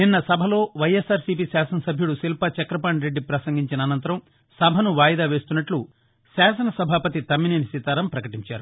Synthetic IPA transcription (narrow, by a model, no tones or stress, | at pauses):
ninːɐsɐbʱɐlo̞ːʋɐjesaːɾsip̬isaːsɐnɐsɐbʱjuɽusilpɐt͡ʃɐkɾɐp̬aːɳɾe̞ɖːipɾɐsɐŋɡiɲt͡ʃinɐːnɐnt̪ɐɾɐm | sɐbʱɐnuʋaːjɐd̪aːʋe̞ːst̪unːɐʈlu | saːsɐnɐsɐbʱaːpɐt̪it̪ɐmːininisit̪aːɾɐmpɾɐkɐʈiɲt͡ʃaːɾu